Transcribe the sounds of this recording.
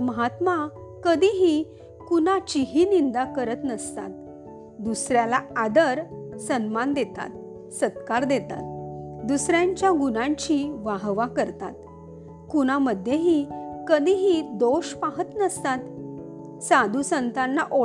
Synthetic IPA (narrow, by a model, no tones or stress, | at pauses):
məɦat̪ma | kəd̪iɦi | kunat͡ɕiɦinind̪akəɾət̪nəst̪a̰t̪̚ | d̪usɾjalaad̪əɾsənmand̪et̪a̰t̪ | səd̪kaɾd̪et̪a̰t̪̚d̪usɾjãɲt͡ɕjaɡunãɲt͡ɕiʋaɦʋakəɾt̪a̰t̪̚ | kunaməd̪ʱjeɦikəd̪ʱiɦid̪oɕpaɦət̪nəst̪at̪ | sad̪ʱusənt̪anːaʔo